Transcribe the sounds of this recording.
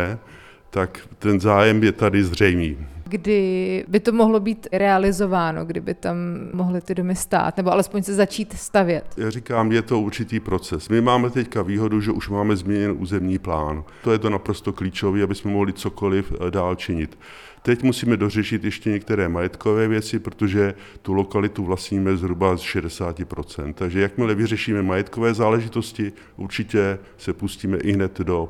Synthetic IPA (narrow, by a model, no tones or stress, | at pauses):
ɛ | t̪akt̪ɛnzaːjɛmjɛt̪adɪzrɛjmiːɡdɪbɪt̪o̞moɦlo̞biːt̪ɾɛalɪzo̞vaːno̞̰ɡdɪbɪt̪ammoɦlɪt̪ɪdomɪst̪a̰ːt̪nɛboʔalɛspoɲsɛzat͡ʃiːt̪st̪avjɛt̪jaːrikaːmjɛt̪o̞uɾt͡ʃɪt̪iːpɾo̞t͡sɛsmɪmaːmɛt̪ɛckaviːɦo̞duʒɛʔuʃmaːmɛzmɲɛɲɛnʔuːzɛmɲiːplaːnt̪ojɛt̪o̞napɾost̪o̞kliːt͡ʃo̞viːabɪsmɛmoɦlɪt͡so̞ko̞lɪfdaːlt͡ʃɪɲɪt̪ | t̪ɛcmusiːmɛdo̞r̝ɛʃɪt̪jɛʃcɛɲɛk̚t̪ɛɾɛːmajɛt̪ko̞vɛːvjɛt͡sɪpɾot̪oʒɛ | t̪ulo̞kalɪt̪uvlasɲiːmɛzɦɾubasʃɛdɛsaːcɪpɾo̞t͡sɛ̰nt̪̚t̪ːaɡʒɛjakmɪlɛvɪrɛʃiːmɛmajɛt̪kovɛːzaːlɛʒɪt̪o̞scɪ | ʔuɾt͡ʃɪcɛ | sɛpusciːmɛʔɪɦnɛt̪do̞